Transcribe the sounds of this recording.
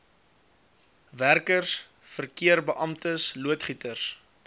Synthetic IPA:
værkərs | fərkiərbəʔɐmtəsluətχitərs

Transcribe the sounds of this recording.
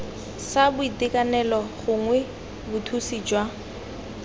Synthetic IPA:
sabʊitɪkʼanɛlɔɣʊŋwɛ | bʊtʰusiːd͡ʒwa

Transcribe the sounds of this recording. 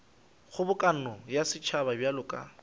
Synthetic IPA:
χʊbʊkʼan̩ɔjasɪt͡ʃʰababjalʊkʼa̰

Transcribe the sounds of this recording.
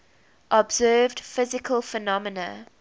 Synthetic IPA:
ʔɔbzɜːvd̥fɪzɪkʰəlˠfənɔmənə

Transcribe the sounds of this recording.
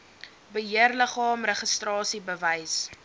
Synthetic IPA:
bəɦiərləχɑːmrəχəstrɑːsibəvəjs

